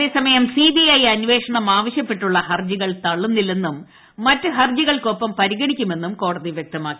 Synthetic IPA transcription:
ɐðe̞ːsɐmɐjɐmsidiɐjɐnʋe̞ːʂɐɳɐmaːʋɐɕjɐpːe̞ʈːuɭːɐhɐrd͡ʑiɣɐɭt̪ɐɭːunːilːenːumː | ɐtːɨɦɐrd͡ʑiɣɐɭko̞pːɐmpɐɾiɣɐɳikʲːume̞nːumko̞ːɽɐðiʋjek̚t̪ɐmaːkːi̥

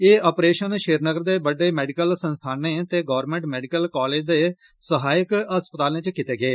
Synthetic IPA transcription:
eːɔːpɾeːʃənʃeːɾnəɡəɾd̪eːbəɖeːmɛːɖɪkəlsə̃nst̪ʰaːnẽːt̪eːɡɔːɾmẽːɳʈmɛːɖɪkəlkaːleːd͡ʒd̪eː | səɦaːjəkəspət̪aːlẽːt͡ʃkɪt̪eːɡeː

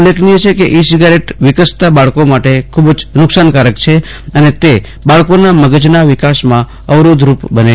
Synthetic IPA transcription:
ulekʰniet͡ʃʰekeʔisiɡaɾeʈʋɪkəst̪abaɭkomaʈekʰubd͡ʒnʊksankaɾəkt͡ʃʰe | ənet̪e | baɭkonaməɡəd͡ʒnaʋɪkasmã | əʋɾod̪ʱɾupbəne

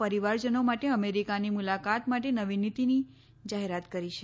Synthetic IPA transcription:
pəɾiʋaɾd͡ʒənomaʈeəmeɾikanimulakat̪maʈenəʋinit̪ini | d͡ʒaɦeɾat̪kəɾiʃʰe

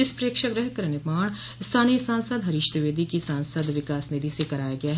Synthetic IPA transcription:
ɪspɾeːkʃəɡɾɐɦkɐɾɐnɪmaːɳ̃ | st̪ʰaːnijəsãːnsəd̪ɦɐɾɪʃt̪əʋeːd̪ʱikisãːnsəd̪ʋɪkaːsnɪd̪ʱisekɐɾaːjaɡɐjaɦɛ

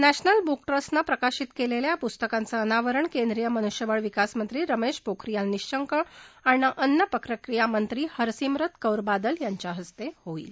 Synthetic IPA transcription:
næɕnəlbukʈɾəsnapɾəkaɕit̪keleljapust̪əkant͡səːnaʋəɾəɳkẽnd̪ɾijəmənuɕjəʋəɭʋikasmənt̪ɾiːɾəmeɕpokɾijalniɕɕəŋkəaɽiaʔənːjəpəkɾəkɾijamənt̪ɾiːhəɾsimɾət̪kəwɾbad̪əljaɲt͡ɕaɦəst̪ehoḭːl

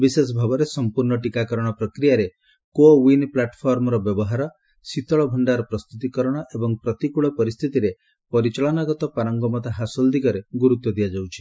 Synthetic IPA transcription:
bises̬ɔbʱabɔɾesɔmpuɾɳɔʈikakɔɾɔɽ̃ɔpɾɔkɾijaɾe | kowinplaʈpʰɔɾmɔɾɔbjɔbɔɦaɾɔ | sit̪ɔɭɔbʱɔɳɖaɾɔpɾɔst̪ut̪ikɔɾɔɽ̃ɔʔebɔŋpɾɔt̪ikuɭɔpɔɾist̪ʰit̪iɾe | pɔɾit͡ʃɔɭɔnɔɡɔt̪ɔpaɾɔŋɡɔmɔt̪aɦasɔld̪ikɔɾeɡuɾut̪wɔd̪ijad͡ʒawt͡ʃʰi̥

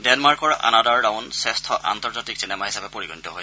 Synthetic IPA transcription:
dɛnmaɹkɔɹa̰nadaɹdaʊnsɛstʰɔʔa̰nt̪ɔɹzatiksinɛmaɦisabɛpoɹiɡɔnitɔɦo

